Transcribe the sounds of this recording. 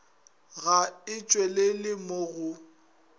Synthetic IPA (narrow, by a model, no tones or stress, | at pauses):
ɣaɪt͡ʃʼwelelɪmoɣʊ